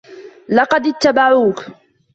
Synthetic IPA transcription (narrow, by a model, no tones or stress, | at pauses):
lɑqɑd̪ɪt̪ːabaʕuːk